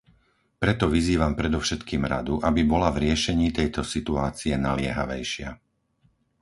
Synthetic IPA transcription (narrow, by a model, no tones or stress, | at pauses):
pɾɛt̪ɔʋiziːʋampɾɛd̪ɔʊʃɛt̪kiːmɾa̰d̪uʔabibɔlavɾɪɛʃɛɲiːt̪ɛjt̪ɔsit̪uaːt͡siɛnalɪɛɦaʋɛjʃɪa̰